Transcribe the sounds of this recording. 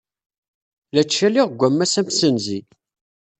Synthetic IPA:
læt͡ʃːæliʁɡʷæmːæsæmsənzi

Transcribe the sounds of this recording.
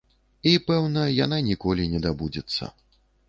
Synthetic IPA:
ipɛwnɐjananʲikɔlʲinʲɛd̪abud͡zʲɛt̪sːɐ̰

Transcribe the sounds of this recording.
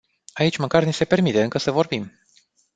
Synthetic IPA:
ait͡ʃʲməkarnise̞pe̞rmit̪e̞ɨŋkəsəvo̞rbim

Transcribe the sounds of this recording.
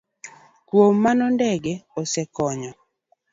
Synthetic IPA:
kwomːanɔndɛɡeɔsɛkɔɲɔ

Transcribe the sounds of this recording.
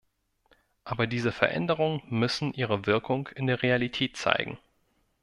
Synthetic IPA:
ʔaːbɐdiːzəfɛɐʔɛ̰ndəʁ̞ʊŋəmʏsn̩ʔiːʁəvɪɐkʰʊŋkʰɪndeːɐʁealitʰɛːtt͡sa̰ɪɡŋ̩

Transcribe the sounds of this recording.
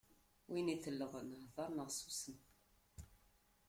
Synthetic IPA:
winiθəlːəʁənhðˤɑɾˤnəʁsusən

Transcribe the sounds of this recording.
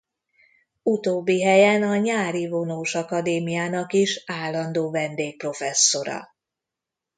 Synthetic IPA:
ut̪oːbːiɦɛjɛnɒɲaːɾivo̞noːʃɒkɒd̪eːmijaːnɒkiʃaːlːɒnd̪oːvɛnd̪eːk̚pro̞fɛsːo̞ɾɒ̰

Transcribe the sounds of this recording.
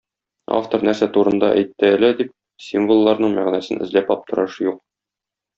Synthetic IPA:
a̰ft̪oɾnæɾsæt̪uɾɤ̆nd̪ɑʔæjt̪ːɘælæd̪ip̚ | sʲimvolˠːɑɾnɤɴmæʁnæsɘnʔɘ̆zlæpɒp̚t̪ɤ̆ɾɑʃjuq̚

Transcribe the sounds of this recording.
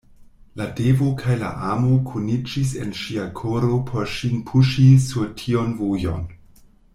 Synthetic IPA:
ladevokʰajla̰ʔamokʰunid͡ʒis̬e̞̰nʃiakʰoɾo̞pʰo̞ɾʃinpʰuʃisuɾtʰio̞nvujo̰n

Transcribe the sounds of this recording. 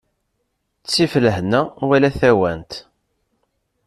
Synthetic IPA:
t͡sːifləhnæwælæθæwænt̪

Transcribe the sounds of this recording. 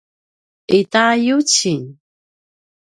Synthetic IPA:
ʔitajut͡ɕiɲ

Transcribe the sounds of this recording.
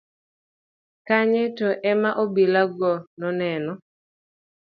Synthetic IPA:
kaɲetɔʔɛmaʔobilaɡɔnɔnɛnɔ

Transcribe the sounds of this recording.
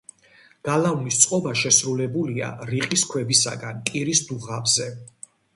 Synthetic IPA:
ɡ̥alavnist̪sʼqʼɔbaʃɛsɾulɛbulia̰ɾiqʼiskʰwɛbisa̰ɡanpʼiɾisd̪uʁabzɛ

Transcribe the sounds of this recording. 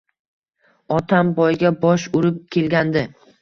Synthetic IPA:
ɒt̪ʰambɒjɡʲabɒʃʊɾɪp̚kʲʰe̞lɡʲand̪ɪ

